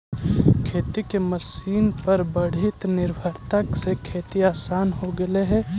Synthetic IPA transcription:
kʰeːt̪ikeməsiːnpɐɾbəɽ̤ɪt̪nɪɾbʱəɾt̪aksekʰeːt̪iaːsaːnɦoɡɐleɦɛ̃

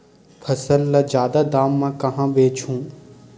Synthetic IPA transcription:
pʰɐsəlːɐd͡ʒjaːd̪ad̪aːmːãkɐɦãːbeːt͡ʃʰũː

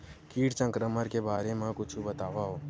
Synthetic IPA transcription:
kiːʈt͡ʃə̃ŋkɾəməɾkebaːɾemãkʊt͡ʃʰubət̪aːʋaɦoː

